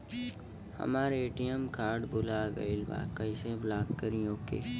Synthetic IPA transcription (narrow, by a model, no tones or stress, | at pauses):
hɐ̰maːɾeːʈijəmkaːɾɖbʊlaɡə̰ilba̰ːkːəɪseblaːkkːəɾĩjoːkḛː